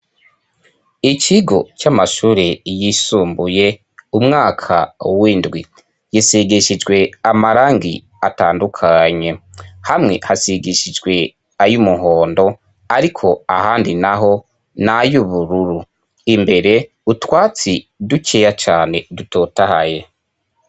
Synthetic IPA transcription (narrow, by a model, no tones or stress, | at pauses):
iciɡo̞camaʃuːɾejisuːmbuje̞ | umŋaːkʰawiːndɡwi | jisiɡiʃid͡ʒɡwe̞amaɾaːŋɡḭ | ataːndukʰaɲe̞hamŋe̞̰hasiɡiʃid͡ʒɡwe̞ | ajumuɦo̞ːndo̞ | aɾikʰo̞ahaːndinaɦo̞ | najuβuɾuɾu | imbe̞ɾe̞ | utwaːt͡sidut͡ʃejat͡ʃaːne̞dutʰoːtahaje̞